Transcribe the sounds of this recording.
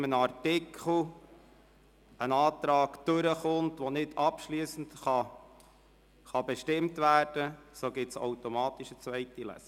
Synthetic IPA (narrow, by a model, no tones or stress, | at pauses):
mənɑrtɪkʰl̩ | ənɑːtɾɑːɡd̥ʉɾəχʊntʋonɪdʰɑpʃliːsən̩tχɑ | χɑbɛʃtɪmtʋæːrd̥əsoːɡɪtso̰ʊtomɑːt̪iʃət͡sʋɛɪtilɛ̰s